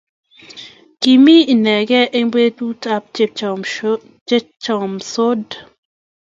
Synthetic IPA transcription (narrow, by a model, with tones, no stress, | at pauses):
ki˨mi˦i˨nɛ˨ɡɛ˦ʔe˦ŋbe˦tu˦ta˦p̚t͡ʃ | t͡ʃɔ˨mso˦d